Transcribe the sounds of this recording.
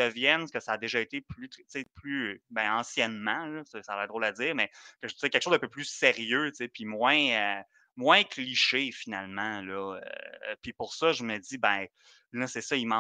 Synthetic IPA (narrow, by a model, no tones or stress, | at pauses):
əvjɛnkʲəsaːd̪eʒʌet̪eplyt̪t͡seplybɛ̃ɑ̃sjɛnmɑ̃lɔsɛsalaʁɛd̪ʁowlad͡z̪iːʁmɛkəʒəziɛkʲɛlkəʃozd̪ə̃pøplyseʁjøt͡sepimwɛ̃ø | mwɛ̃kliʃefinalmɑ̃lɔø̰pɥipʊʁsʌʒəməd͡zibɛ̃ | lʌsɛsʌimɑ̃